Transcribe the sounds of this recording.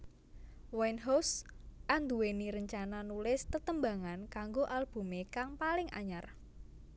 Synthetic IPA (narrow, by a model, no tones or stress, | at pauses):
wajnɦawsʔand̪uweniɾəɲt͡ʃananulɪst̪ət̪əmbaŋankaŋɡoʔalb̥ṳmekaŋpalɪŋʔa̰ɲar